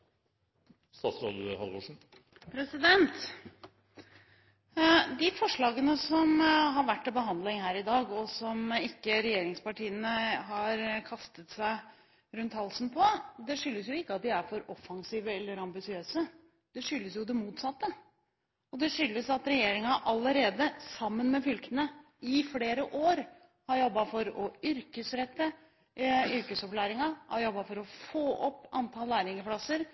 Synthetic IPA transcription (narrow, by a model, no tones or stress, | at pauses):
st̪ɑːt̪sɾɑd̪hɑlʋoʂn̩ | pʰɾɛsɪd̪ɛnt̪ | d̪ɪfɔʂɭɑːɡənəsɔmɦɑɾʋæʈːɛbəɦɑnd̪lɪŋhæːɾɪd̪ɑːɡɔsɔmɪkːəɾɛjeːɾɪŋspɑʈiːənəɦɑɾkʰɑst̪ət̪sæɪ | ɾʉnt̪hɑlsn̩pʰɔd̪ɛʂʏlːəsjʊɪkːɑt̪̚d̪ɪæɾfɔɾɔfɑŋsiːʋəɛlːəɾɑmbɪsɪøːsə | d̪̥ɛʂʏlːəsjʊd̪ɛmuːt̪sɑt̪ːə | ɔd̪ɛʂʏlːəsɑt̪ɾɛjeːɾɪŋʔɑlːəɾeːd̪əsɑmːənmɛfʏlkənə | ɪfleːɾəʔoːɾ | hɑɾjɔbːɑfɔɾɔʏɾkəsɾɛt̪ːə | ʏɾkəsɔpklæːɾɪŋɑhɑ̰ɾjɔbːɑfɔɾɔfoːʔɔpːɑnt̪ʰɑlnæːɾɪŋəpʰɽɑsəɾ